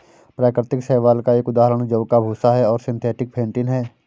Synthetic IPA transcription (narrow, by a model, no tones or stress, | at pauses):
pɾaːkɾɪt̪ɪksɛːʋaːlkaeːkʊd̪aːɦəɾəɽ̃d͡ʒəʋkabʱuːsaɦɛɔːɾsɪ̃nt̪ʰɛːʈɪk̚pʰẽːɳʈɪnɦɛː